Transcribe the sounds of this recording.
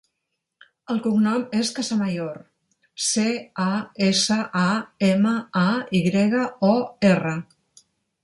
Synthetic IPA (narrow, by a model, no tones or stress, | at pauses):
əlˠkuŋnɔmeskazamajoɾ | seaesəʔaeməaiɣɾɛɣəɔerə